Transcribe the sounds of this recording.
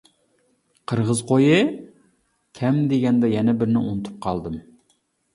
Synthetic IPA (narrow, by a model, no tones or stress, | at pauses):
qʰəɾʁəzqʰojɨ | kʲʰɛmd̪eɡʲɛnd̪ɛjɛnɛbɪɾnɪunɨt̪ʰu̥p̚qʰɑlˠd̪ɨm